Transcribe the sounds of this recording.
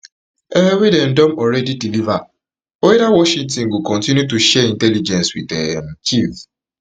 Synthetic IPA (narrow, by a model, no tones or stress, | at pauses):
eewedɛn̩dɔ̃mɔɹɛdidiliva | oɾawɔʃĩntĩnɡukɔ̃ntĩnjutuʃɛĩntɛlid͡ʒɛ̃nswḭdɛmt͡ʃif